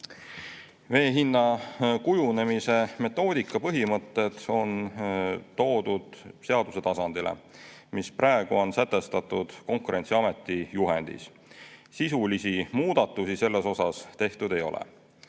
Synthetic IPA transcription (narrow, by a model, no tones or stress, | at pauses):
ve̞ːɦinːɑkujune̞mise̞me̞t̪ːˑo̞ːd̪̥ikːˑɑpɤɦimɤt̪ːe̞d̪̥o̞n | t̪o̞ːd̪̥ud̪̥se̞ɑd̪̥use̞t̪ɑsɑnd̪̥ilḛ | misprɑˑeɡ̥uo̞nsæt̪ːˑe̞st̪ɑt̪ːˑud̪̥ko̞ŋkuɾe̞nt̪siɑme̞t̪ːˑijuɦe̞̰nd̪̥ḭs | sisulisimuːd̪̥ɑt̪ːˑusise̞lːe̞so̞sɑst̪e̞ht̪ud̪e̞jo̞̰lʔḛ